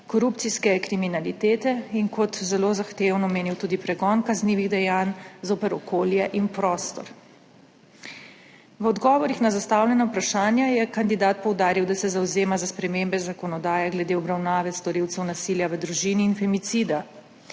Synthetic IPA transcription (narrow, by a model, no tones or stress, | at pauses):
kɔɾupt̪siskɛkɾiminalit̪eːt̪ɛinkɔt̪zɛlozaxt̪eːwnɔmeːniwt̪uːd̪ipɾɛɡɔːnkazniːʋiɣd̪ɛjaːnzopɛɾɔkʰoːljɛʔinpɾɔːst̪ɔ̰ɾ | ʋɔd̪ɡɔːʋɔɾixnazast̪awlʲjɛnaupɾaʃaːnjajɛkand̪id̪aːt̪̚pɔwd̪aːɾiwd̪asɛzawzeːmazaspɾɛmembɛzakɔnɔd̪aːjɛɡlɛd̪eɔbɾawnaːʋɛst̪ɔɾiwt̪sɛwnasiːljaʋəd̪ɾuʒiniːnfɛmit̪sid̪a